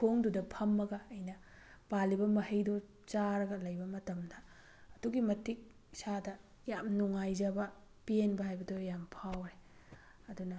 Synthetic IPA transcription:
kʰoŋdudɐpʰɐmːɐɡɐːjnɐ | palibɐmɐhɐjdo | t͡ʃaɾɐɡɐlɐjbɐmɐtɐmdɐː | duɡimɐtʰik̚ | sadɐ | jamnuŋajd͡ʒɐbɐ | pienbɐɦajbɐdojampʰawɾe | ɐdunɐ

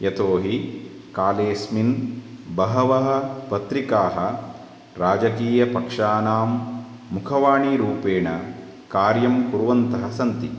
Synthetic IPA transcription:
jɐt̪oːɦi | kaːleːsminbɐɦɐʋɐɦɐ̆pɐt̪ɾikaːɦɐ̆ | ɾaːd͡ʒɐkiːjɐpɐkʂaːnaːmː | ukʰɐʋaːɳiɾuːpeːɳɐ | kaːɾjɐmkuɾʋɐnt̪ɐɦɐsɐnt̪i

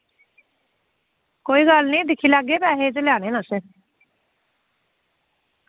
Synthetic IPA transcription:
koːiːɡalnĩːd̪ɪkʰːiːlaːɡeːpɛːɦeːd͡ʒəljaːɽ̃eːnãseː

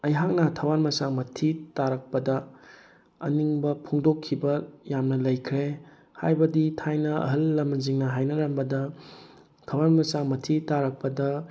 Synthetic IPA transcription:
ɐjɦak̚nɐtʰɐwanmɐsaŋmɐtʰitaɾɐk̚pɐdɐ | ɐ̰niŋbɐpʰoŋdokʰːibɐjamnɐlɐjkʰɾe | hajbɐditʰajnɐɐ̰ɦɐlːɐmːɐziŋnɐɦajnɐɾɐmbɐdɐ | tʰɐwanmɐsaŋmɐtʰitaɾɐk̚pɐdɐ

